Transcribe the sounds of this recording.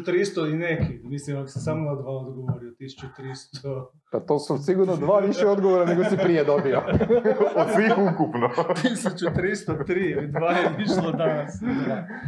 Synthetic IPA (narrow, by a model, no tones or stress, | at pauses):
t̪ɾist̪oinekimislimako̥sesamonad̪ʋaːod̪ɡoʋoɾiot̪isu̥t͡ɕut̪ɾist̪ʰo | pat̪oːsusiɡuɾnod̪ʋaːʋiʃɛod̪ɡoʋoɾaneɡosipɾijed̪obio | od̪sʋiːxukupnot̪isut͡ɕut̪ɾist̪ot̪ɾiːid̪ʋaːjeʋiʃlˠod̪anasa